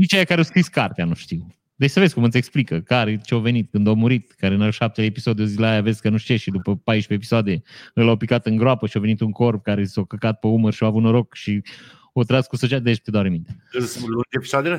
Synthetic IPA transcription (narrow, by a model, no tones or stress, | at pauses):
nit͡ʃejakaɾeowskɾiskart̪eanuʃt̪iw | d̪et͡ʃʲsəvezʲkumɨt̪sʲe̞ksplikəkaɾet͡ʃeove̞nit̪kɨnd̪omuɾit̪̚kaɾenaʃap̚t̪eleːpisod̪jozileajaveskənuʃt͡ʃeʃid̪upəpajʃpeːpi̥soad̪eɨlawpikat̪ɨŋɡɾoapəʃiove̞nit̪uŋko̞rp̚kaɾesawkəkat̪̚peumərʃioavut̪noɾokʃi | ot̪ɾazkusot͡ʃiad̪et͡ʃt̪ed̪oaɾnimint̪eeslud͡ʒepisoad̪ele